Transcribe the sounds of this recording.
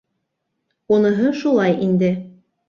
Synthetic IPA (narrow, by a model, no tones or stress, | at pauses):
unɤ̆ɦɤʃulˠɑjʔind̪ɘ